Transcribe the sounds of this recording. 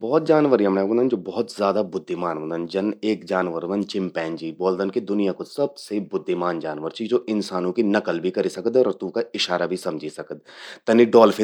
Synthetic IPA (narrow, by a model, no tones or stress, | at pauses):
bɔɦʊt̪̚d͡ʒaːnʋəɾiɐmaɡə̃nd̪ənd͡ʒoːbɔɦʊt̪zjaːd̪abʊd̪ʱːɪmaːnnd̪ənd͡ʒɐneːkd͡ʒaːnʋəɾod̪ənt͡ʃɪ̃mpɛ̃ːnd͡ʒiːbɔːld̪ənked̪ʊnijakosɐbsebʊd̪ʱːɪmaːnd͡ʒaːnʋəɾt͡ʃʰid͡ʒoːʔɪnsaːnõkinɐkəlbʱikɐɾisɐkəd̪ɔːɾɐt̪ũkaɪʃaːɾabʱisɐmd͡ʒʱisɐkəd̪̚t̪ɐniɖɔːlfʰɪ